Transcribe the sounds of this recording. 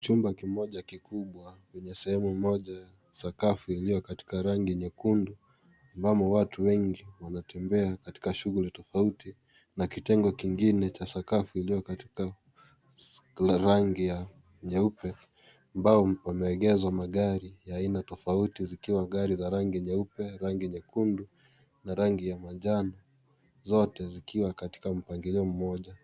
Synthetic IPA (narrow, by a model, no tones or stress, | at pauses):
t͡ʃumbakimɔʄakikuɓwawɛɲɛsɛhɛmumɔʄaja | sakafuilijɔkati̥kaɾaŋɡiɲɛkundu | ambamɔwatʰuwɛŋɡiwanatʰɛmbɛakati̥kaʃuɣulitɔfauti | nakitɛŋɡɔkiŋɡinɛt͡ʃasakafuilijɔkati̥ka | ɾaŋɡija | ɲɛupɛ | ambaɔwamɛɛɠɛzwamaɠaɾijaːinatɔfautizikiwaɠaɾizaɾaŋɡiɲɛupɛɾaŋɡiɲɛkundu | naɾaŋɡijamaʄana | zɔtɛzikiwakati̥kam̩paŋɡiliɔm̩mɔʄa